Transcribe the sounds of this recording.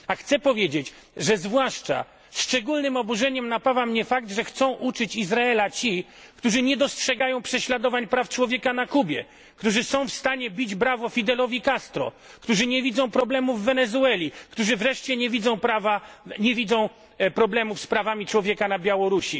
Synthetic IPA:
axt̪sɛpɔvʲjed͡ʑet͡ɕ | ʐɛzvwaʂt͡ʂa̰ | ʂt͡ʂɛɡulnɘmɔbuʐɛɲɛmnapavamɲɛfak̚t̪ʐɛxt̪sɔ̃w̃ʔut͡ʂɘt͡ɕizɾaɛlat͡ɕi | kt̪uʐɘɲɛd̪ɔstʂɛɡajɔ̃w̃pʂɛɕlad̪ɔvaɲpɾaft͡ʂwɔvʲjɛkanakubʲjɛ̰ | kt̪uʐɘsɔ̃w̃fst̪aɲɛbʲid͡ʑbɾavɔfʲid̪ɛlɔvʲikast̪ɾɔ̰ | kt̪uʐɘɲɛvʲid̪zɔ̃w̃pɾɔblɛmuvːɛnɛzuɛlʲikt̪uʐɘvɾɛʂt͡ɕɛɲɛvʲid̪zɔ̃w̃pɾavaɲɛvʲid̪zɔ̃w̃ | pɾɔblɛmufspɾavamʲit͡ʂwɔvʲjɛkanabʲjawɔɾuɕi

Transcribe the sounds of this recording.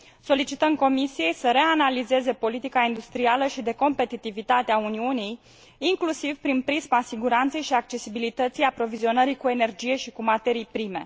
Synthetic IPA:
so̞lit͡ʃit̪əmko̞misije̞jsəɾe̞analize̞ze̞po̞lit̪ikaind̪ust̪ɾialəʃid̪e̞ko̞mpe̞t̪it̪ivit̪at̪eauniunijː | ŋklusiv̥pɾinpɾizmasiɡuɾant̪se̞jʃiak̚t͡ʃe̞sibilit̪ət̪sijapɾo̞vizio̞nəɾikue̞ne̞rd͡ʒije̞ʃikumat̪e̞ɾijpɾime̞̰

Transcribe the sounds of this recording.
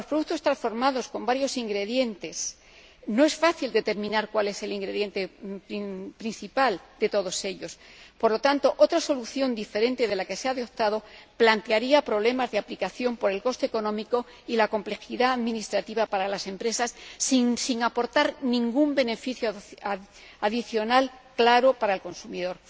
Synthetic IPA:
lospɾoðut̪o̞st̪ɾansfo̞ɾmaðo̞sko̞mbaɾjo̞siŋɡɾe̞ðje̞nt̪e̞s | no̞e̞sfaθild̪e̞t̪e̞ɾmĩnaɾkwale̞se̞liŋɡɾe̞ðje̞nt̪e | pɾin̟θipald̪̥e̞t̪o̞ð̞o̞se̞ʎo̞spoɾlo̞t̪ant̪o̞ʔo̞t̪ɾaso̞luθjo̞nd̪ife̞ɾe̞nt̪e̞ðe̞lake̞seaðeo̞t̪aðo̞plant̪eaɾiapɾo̞β̞le̞mazðe̞aplikaθjo̞mpo̞ɾe̞lko̞st̪eeko̞nõ̞miko̞ | ilako̞mple̞xiðaːðmĩnist̪ɾat̪iβapaɾalase̞mpɾe̞sasːisiŋapo̞ɾt̪aɾnĩŋɡumbe̞ne̞fiθjo | aðiθjo̞nalklaɾo̞paɾaelko̞nsumiðo̞ɾ

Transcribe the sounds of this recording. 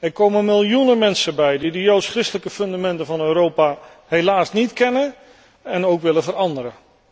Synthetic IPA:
ɛrkowməmɪlˠjunəmɛnsəbɛjdidəjowtsχrɪstələkəfɵndamɛntəvɑnøɾowpa | ɦejlaːsnitkɛnə | ɛnowkʋɪləvəɾɑndəɾə

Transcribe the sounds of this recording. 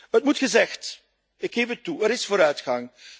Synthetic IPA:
ətmutxəzɛxt | ɪkxeːfətːuəɾɪsfoːɾœɥtxɑŋ

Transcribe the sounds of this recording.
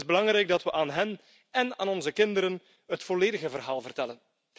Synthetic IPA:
zbəlɑŋɾɛjɡ̚dɑtʋəʔaːnɦɛn | ɛna̰ːnɔnzəkɪndəɾən | ɦətfoleːdəɣəvərɦaːlˠvərtɛlən

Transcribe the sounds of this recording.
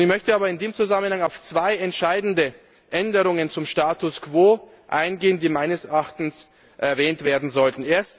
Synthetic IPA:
ɪçmœçtəʔaːbɐɪndeːmt͡suzamənhaŋaʊft͡sv̥aɪɛntʃaɪdn̩də | ʔɛndəʁʊŋənt͡sʊmʃtaːtʊskv̥oː | ʔaɪnɡeːəndiːmaɪnəsɛʔaːχtn̩s | ʔɛɐvɛːntv̥eːɐdn̩zɔltn̩ʔeːɐst

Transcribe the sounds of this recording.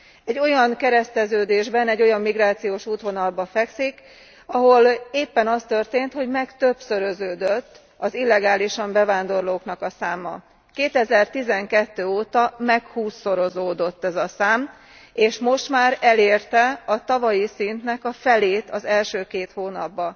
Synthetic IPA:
ɛɟːo̞jɒŋkɛɾɛst̪ɛzøːd̪eːʒbɛnɛɟːo̞jɒmːiɡraːt̪sijoːʃuːt̪ɦo̞nɒlbɒfɛksik | ɒɦo̞leːpːɛnɒst̪ørt̪eːnt̪ho̞ɟmɛkt̪ø̞bsøɾøzøːd̪øt̪ː | ɒzilːɛɡaːliʃɒmbɛvaːnd̪o̞rloːknɒkɒsaːmːɒ̰ | keːt̪ɛzɛrt̪izɛŋkɛt̪ːøːoːt̪ɒmɛkhuːsːo̞ɾo̞zoːd̪o̞t̪ːɛzɒsaːm | eːʃmo̞ʃt̪maːɾɛleːrt̪ɛɒt̪ɒvɒjisint̪nɛkɒfɛleːt̪ɒzɛlʃøːkeːt̪hoːnɒ̰bːɒ

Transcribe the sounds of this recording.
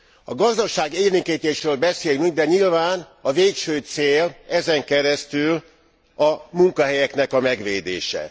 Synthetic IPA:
ɒɡɒzd̪ɒʃaːɡeːliŋkiːt̪eːʃrøːlbɛseːlnuɟ̚d̪ɛɲilvaːnɒveːkʃøːt̪seːlɛzɛŋkɛɾɛst̪yl | ɒmuŋkɒɦɛjɛkn̪ɛkɒmɛɡʋeːd̪ḛːʃɛ̰

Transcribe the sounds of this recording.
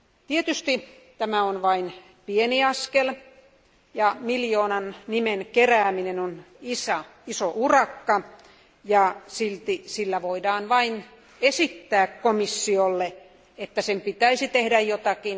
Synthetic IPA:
t̪iet̪yst̪i | t̪æmæonʋɑin | pieniɑskel | jɑmiljoːnɑnnimenkeræːminenon | isæisoʔurɑkːɑ | jɑsilt̪isilːæʋoidɑːnʋɑin | esit̪ːæːkkomisːiolːe | et̪ːæsempit̪æisit̪ehdæjjot̪ɑkin

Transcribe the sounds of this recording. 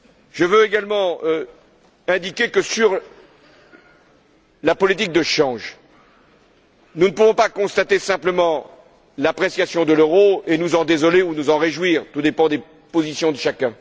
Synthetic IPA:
ʒ̥əvøeɡalmɑ̃ | ɛ̃d̪ikʲekəsyʁ | lapɔlit̪̬ik̚d̪əʃɑ̃ʒ | nunəpuvɔ̃pakɔ̃st̪at̪esɛ̃pləmɑ̃ | lapχesjasjɔ̃d̪əløʁoenuzɑ̃d̪ezɔleunuzɑ̃ʁeʒwiːʁt̪ud̪epɑ̃d̪e | pozisjɔ̃d̪əʃakʲɛ̃

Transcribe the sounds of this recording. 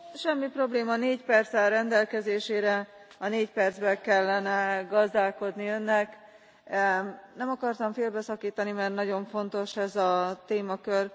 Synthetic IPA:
ʃɛmːipro̞bleːmɒneːcpɛrt̪sɛrɛnd̪ɛlkɛzeːʃeːɾɛ | ɒneːcpɛrd̪zbɛkɛlːɛnɛɡɒzd̪aːlko̞d̪niø̞nːɛk | nɛmɒkɒrt̪ɒɱfeːlbɛsɒkiːt̪ɒnimɛrt̪nɒɟo̞ɱfo̞nt̪o̞ʃɛzɒt̪eːmɒkør

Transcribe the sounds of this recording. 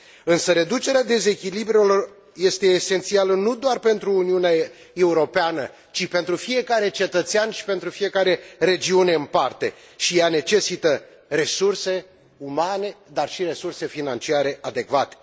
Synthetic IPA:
ɨnsəɾe̞d̪ut͡ʃe̞ɾead̪e̞ze̞kʲilibɾulor | je̞st̪e̞ːse̞nt̪sialənud̪oarpe̞nt̪ɾuːniunea | e̞uɾo̞peanə̰ | t͡ʃipe̞nt̪ɾufije̞kaɾe̞t͡ʃe̞t̪ət̪seanʃi̥pe̞nt̪ɾufije̞kaɾe̞re̞d͡ʒiune̞ɨnpart̪e̞̰ | ʃijane̞t͡ʃe̞sit̪ə | re̞surse̞ | umane̞d̪arʃiɾe̞surse̞finant͡ʃiaɾe̞ʔad̪e̞kvat̪e̥

